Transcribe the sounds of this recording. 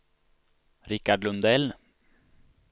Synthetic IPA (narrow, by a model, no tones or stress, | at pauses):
ɾɪkːaɖlɵnd̪ɛl